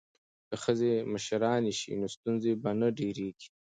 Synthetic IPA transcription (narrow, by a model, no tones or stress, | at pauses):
kəxəzeməʃɾɑːneʃḭnost̪unzebanaɖeɾeɡi̥